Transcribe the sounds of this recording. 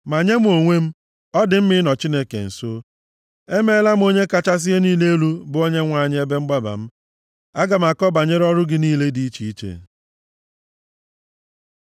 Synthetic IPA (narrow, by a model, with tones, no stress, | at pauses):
ma˨ɲe˦m˦o˨ŋʷe˦m̩˦ | ɔ˦dɪ˨m̩˦mɪ˦nɔ˨t͡ʃi˦ne˦kḛ˨n̩˨so˦ | e˦me˦la˦m̩˦o˦ɲe˦ka˦t͡ʃa˦s̬ɪ˦e˦niː˦le˦e˦lu˦bʊ˨˦o˦ɲe˦ŋʷa˨ɲɪ˦e˦be˦ŋ͡m̩˦ɡ͡ba˦ba̰˨m̩˦ | a˦ɡa˨m̩˨a˨kɔ˦ba˨ɲe˦ɾɔ˦ɾʊ˦ɡɪ˦niː˦le˦di˦i˦t͡ʃi˨i˦t͡ʃḛ˨